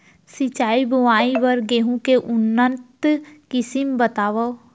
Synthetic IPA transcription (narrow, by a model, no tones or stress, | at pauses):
sit͡ʃaːibʊʋaːiʋəɾɡeɦũkeʔʊnːənt̪kɪsimbət̪aːʋə